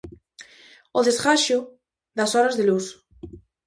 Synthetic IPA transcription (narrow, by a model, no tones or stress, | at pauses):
oðesɣaʃo | ðasoɾazðelus